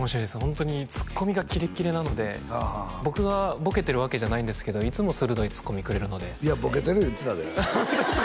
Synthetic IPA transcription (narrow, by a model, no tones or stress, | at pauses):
omoɕiɾojd̪eshõ̞nt̪o̞ɲ̟it͡sɨ̥kːo̞mʲiɡakʲiɾe̞kʲiɾe̞nano̞d̪e̞habo̞kɯɡabo̞ke̞t̪e̞ɾɯ̟βake̞ʑanaĩnd̪e̞sɨ̥ke̞d̪oit͡sɨmo̞sɨɾɯ̟d̪o̞it͡sɨ̥kːo̞mʲikɯ̟ɾe̞ɾɯ̟no̞d̪e̞iabo̞ke̞t̪eɾɯit̪enad̪ead̪e